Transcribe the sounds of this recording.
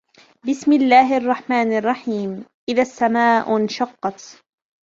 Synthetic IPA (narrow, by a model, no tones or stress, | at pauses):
bɪsmɪlːaːɦʔɑrˤːɑħmaːnɑrˤːɑħiːmʔɪðasːamaːʔnʃɑqːɑt̪